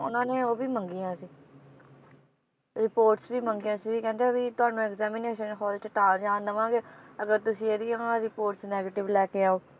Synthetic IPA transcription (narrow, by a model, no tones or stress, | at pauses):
ʊ̰nãːneːoːbʱiːməŋɡijãːsiː | ɾɪpoːɾʈsbiːməŋɡijãːsiːʋiːkɛ̃ːnd̪eãːbiːt̪ʊaːnũːɛkzɛːmɪneːʃənkʰɔːlt͡ʃəʈ̪aːd͡ʒãːnd̪əʋãːɡeːəɡəɾt̪ʊsĩːeɾiːãːɾɪpoːɾʈsnɛːɡeːʈɪʋlɛːkeaːoː